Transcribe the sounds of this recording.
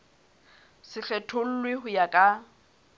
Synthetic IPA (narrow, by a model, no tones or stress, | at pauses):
sɪɬɛtʰʊl̩lwɪɦʊjakʼa